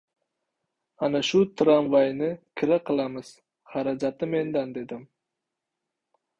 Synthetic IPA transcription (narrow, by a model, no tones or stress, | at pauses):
anaʃʊt̪ʰɾamvajnɪkʲʰɪɾaqʰɨlˠamɪz̥ | χaɾad͡ʒat̪ɪme̞nd̪and̪e̞d̪ɪm